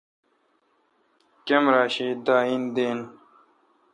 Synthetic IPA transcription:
kemɾaːɕiːd̪aːind̪eːn

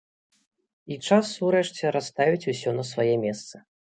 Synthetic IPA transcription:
it͡ʂasuɾɛʂt͡sʲɛɾast̪avʲit͡sʲusʲɔnɐsvajɛmʲɛst̪sɐ̥

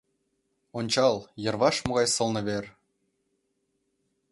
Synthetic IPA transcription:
onʲt͡ɕɑlˠjɤ̆rβɑʃmŏɣɑjsɤ̆lˠnɤ̆βer

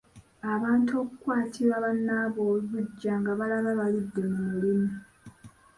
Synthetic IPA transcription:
aβaːntʰo̞ːkukwaːtʰiɾaβanːaːβoːluβuɟːaːŋɡaβalaβaβalidːe̞mumulimi

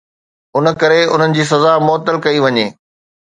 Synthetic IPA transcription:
ʊnə̆kɐɾeʊ̰n̤ənɪ̆d͡ʑiːs̬ɐzamʊːt̪əlkɐiʋɐɲeː

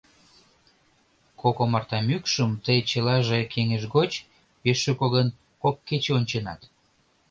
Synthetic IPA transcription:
kokomɑrt̪ɑmykʃəmt̪əjt͡ɕəlɑʒekʰeŋeʒɣot͡ɕ | peʃøkoɣən | kokːet͡ɕeonʲt͡ɕenɑ̰t̪

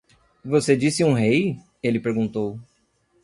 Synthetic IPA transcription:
vosed͡ʒisɪũɦej | elɪpeɾɡũnt̪ow

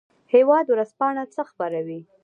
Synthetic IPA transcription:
hewɑd̪wɾaspɑɳat͡səxbaɾawi

